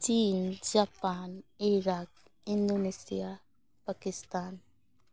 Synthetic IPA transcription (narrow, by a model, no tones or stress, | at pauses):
t͡ʃiːnd͡ʒaːpaːniɾaːk | ɪnd̪oːneːsḭjaː | pakɪst̪aːn